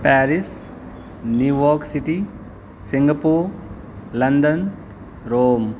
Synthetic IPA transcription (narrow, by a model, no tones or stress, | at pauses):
pɛːɾis | njuːjɔːɾksiʈi | siŋɡɐpuːɾ | lɐnd̪ɐn | ɾoːm